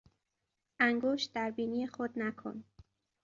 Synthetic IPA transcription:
ʔæŋɡoːʃt̪̚d̪æɾbiːniːexod̪nækʰo̰n

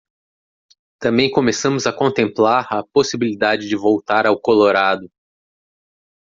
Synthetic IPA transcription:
t̪ɐ̃mbẽj̃kõmesɐ̃mʊzɐkõt̪ẽmplaɾɐposibilid̪ad͡ʒɪd͡ʒɪvowt̪aɾawkoloɾad̪ʊ

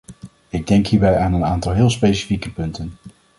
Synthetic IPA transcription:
ɪɡ̚dɛŋkɦiːɹbɛjaːnənaːntɑlˠɦɪːlˠspejsi̥fikəpɵntən

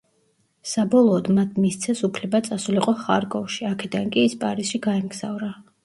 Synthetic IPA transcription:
sabɔlˠɔːd̪mat̪ʰmist̪sʰɛsupʰlɛbat̪sʼasuliqʼɔχa̰ɾkʼɔʃiakʰɛd̪ankʼiːspʼaɾisʃiɡaɛmɡza̰vɾa

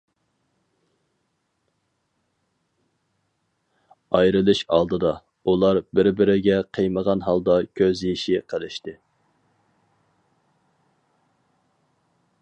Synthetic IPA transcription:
ɑjɾɨlˠɨʃɑ̰lˠd̪ɨd̪ɑ | ulˠɑɾbɪɾbɪɾɪɡʲɛqʰejməʁɑnɦɑlˠd̪ɑkʲʰøzjiʃiqʰəlˠɪʃt̪ɪ

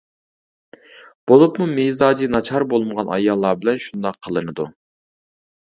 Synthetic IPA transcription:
b̥olˠupmumizɑːd͡ʒinɑt͡ʃʰɑɾbolˠməʁɑnɑ̰jɑlˠːɑːbɪlɛnʃund̪ɑqʰːəlˠɨnɨd̪u

